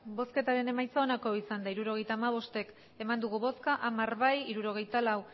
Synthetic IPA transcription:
bo̞ske̞t̪aɾe̞ne̞majt͡saonako̞isand̪aiɾuɾo̞ɣe̞jt̪aːmaβ̞o̞st̪e̞k | e̞mand̪uɣ̞uβo̞skaʔamaɾβajiɾuɾo̞ɣ̞e̞jt̪alaw

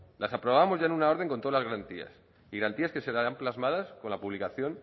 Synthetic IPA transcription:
lasapɾo̞βamo̞zʝaenunao̞ɾð̞e̞ŋkont̪oalazɣɾant̪ia̰s | iɣɾant̪iaske̞se̞ɾaɾamplazmað̞asko̞nlapuβlikaθjo̞n

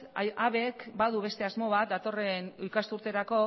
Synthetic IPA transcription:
aβe̞kbaðuβe̞st̪e̞azmo̞β̞at̪̚d̪at̪o̞re̞nujkast̪uɾt̪e̞ɾako̞

